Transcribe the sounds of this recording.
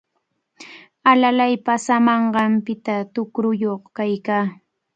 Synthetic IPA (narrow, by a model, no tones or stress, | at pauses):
alalajpasamɑɴɢɑmpɪt̪at̪ʊkɾʊjoχkajkaː